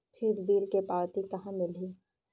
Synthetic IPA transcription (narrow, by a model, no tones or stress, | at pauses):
kʰiːɾbiːlkepaːɾt̪ikɐɦãmɪlɦiː